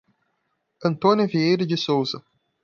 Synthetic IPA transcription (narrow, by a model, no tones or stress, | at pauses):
ɐ̃nt̪onʲjɐviejɾɐd͡ʒɪsowzɐ